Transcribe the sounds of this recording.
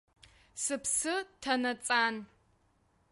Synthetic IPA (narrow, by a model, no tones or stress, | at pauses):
sɨpsɨtʰɐnɐt͡sʼaːn